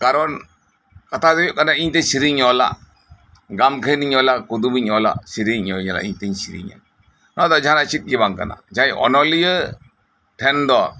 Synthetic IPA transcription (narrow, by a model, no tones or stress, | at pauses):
kaɾɔn | kat̪ʰad̪ɔjɔʔkanaiɲt̪esiɾiɲɔla̰ | ɡamkʰəniɲɔlakud̪umiɲɔla̰siɾiɲɔɲala̰ʔiɲt̪eɲsiɾḭɲa̰ | nɔd̪ɔd͡ʒanat͡ʃit̪̚ˀɡibaŋka̰na̰d͡ʒajʔɔ̰nɔlijə | ʈʰɛnd̪ɔ